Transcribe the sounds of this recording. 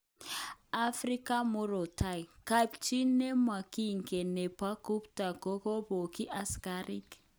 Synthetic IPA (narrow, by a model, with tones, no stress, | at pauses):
a˦fɾi˦ka˦mu˦ɾo˨ta˦jka˦˨pt͡ʃi˦nːe˦ma˨ki˦˨ŋ˨ke˨ne˨pa˦ku˦pta˨ɡo˦ko˦bo˨ki˦ʔa˦ska˦ɾi˦k